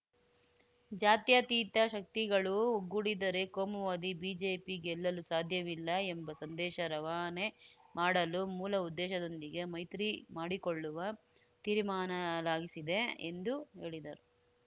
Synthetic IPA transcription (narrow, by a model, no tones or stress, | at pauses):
d͡ʒaːt̪jɐt̪iːt̪ɐʃɐk̚t̪iɡɐɭuuɡːuɽid̪ɐɾe̞koːmuʋaːd̪ibiːd͡ʒeːpiɡɛlːɐlusaːd̪ʱjɐʋilːɐembɐsɐnd̪ɛːʃɐɾɐʋaːne | maːɽɐlumuːlɐud̪ːɛːʃɐd̪o̞nd̪iɡe̞mɐjt̪ɾimaːɽikoɭːuʋɐ | t̪iːɾmaːnɐlaːɡisid̪e̞ḛnd̪uɦe̞ːɭid̪ɐɾu